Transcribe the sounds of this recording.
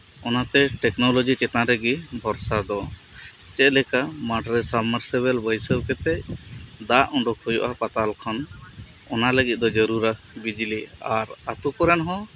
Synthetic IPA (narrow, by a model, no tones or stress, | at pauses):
ɔnat̪ɛʈɛknɔlɔd͡ʒit͡ʃɛt̪ãɾɛɡibʱɔɾsad̪ɔ | t͡ʃɛt̪̚lɛkamaʈɾɛsabməɾsɛβɛlbəjsəwkɛt̪ɛʔd̪aʔɔ̃ɳɖɔkʰɔjɔ̰ʔapat̪alkʰɔn | ɔnaləɡit̪̚ˀd̪ɔd͡ʒəɾuɾa | bid͡ʒliaɾat̪ukɔɾɛnɦɔ̃